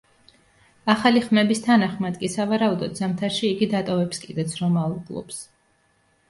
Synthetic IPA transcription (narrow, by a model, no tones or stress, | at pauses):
aχaliχmɛbist̪ʰanaχmad̪kʼisavaɾaud̪ɔd̪zamt̪ʰaɾʃiːɡid̪at̪ʼɔvɛpskʼid̪ɛt̪sʰɾɔmalˠɡlˠɔ̰ps